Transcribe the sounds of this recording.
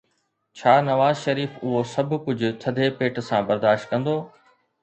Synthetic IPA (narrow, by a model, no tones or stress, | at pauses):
t͡ɕʰaːnɐʋaːzʃɐɾiːfʊɦosɐbʱʊ̆kʊd͡ʑʱʊ̆t̪ʰɐd̪ʱepeːʈsãbɐɾd̪aːʃt̪̚kɐ̃nd̪oː